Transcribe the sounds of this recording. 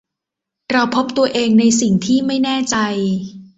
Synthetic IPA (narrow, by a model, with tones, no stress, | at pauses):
ɾa˧wpʰo˦˥p̚t̪u˧ɐʔeː˧ŋna˧jsi˨˩ŋt̪ʰiː˥˩ma˥˩jnɛː˥˩t͡ɕa˧j